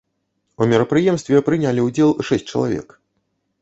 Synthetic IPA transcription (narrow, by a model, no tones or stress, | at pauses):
umʲɛɾɐpɾɨjɛmst̪vʲɛpɾɨnʲalʲiwd͡zʲɛlˠʂɛsʲt͡sʲt͡ʂɐ̰lˠa̰vʲɛ̰k